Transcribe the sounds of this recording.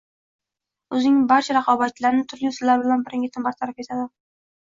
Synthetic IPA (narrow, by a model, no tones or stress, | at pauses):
ɵzɪnɪŋbaɾt͡ʃʰaɾɑqʰɒbat͡ʃʰlaɾnɪt̪ʰʊɾʊsɪlaɾbɪlanbɪɾɪŋʲɪt̪ʰɪmbaɾt̪ʰaɾafe̞t̪ʰad̪ɪ